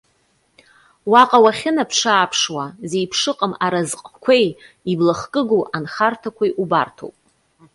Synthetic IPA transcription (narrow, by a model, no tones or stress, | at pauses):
waqʼawaχʲɪnapʰʂaːpʰʂwaze̞jpʰʂɨqʼəmaɾazqʼkʷʰej | iblaχkʼɨɡuʔanχartʰakʷʰajʔuba̰rtʰo̰wpʼ